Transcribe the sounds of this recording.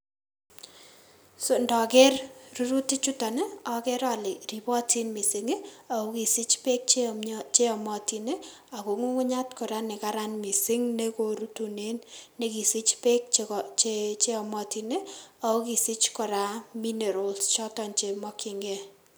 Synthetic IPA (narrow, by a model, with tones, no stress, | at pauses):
sondɔ˨kɛ˦rru˦ɾu˦ti˦t͡ʃu˦ta˨ne˦ɔ˨kɛ˦ɾa˨lɪ˨ri˨pɔ˦ti˦nmi˨sɪ˨ŋe˦a˨o˦ki˨si˦t͡ʃpe˦k̚t͡ʃt͡ʃe˦ɔ˨mɔ˨ti˨ne˦ | a˨ko˨ŋu˦ŋʊ˦ɲa˦tkɔ˨ɾa˦nɪ˨ka˦ɾa˦nmi˨sɪ˦ŋne˦ko˨ɾu˦tu˨ne˦nːe˦ki˨si˦t͡ʃpe˦k̚t͡ʃt͡ʃe˦ɔ˨mɔ˦ti˨ne˦a˨o˦ki˨sɪ˦t͡ʃkɔ˨ɾa˦mi˦ne˨ɾɔ˨lst͡ʃɔ˦tɔ˨nt͡ʃe˨mɔ˦kʰi˨ŋɡɛ˦